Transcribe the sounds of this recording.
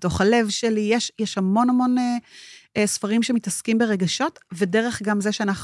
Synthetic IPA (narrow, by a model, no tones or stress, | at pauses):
to̞χale̞vʃelijeʃjɛʃhamo̞namo̞ne | sfaʁimʃemitɐskimbeʁe̞ɡaʃo̞tvede̞ʁe̞χɡamzeʃeanaχ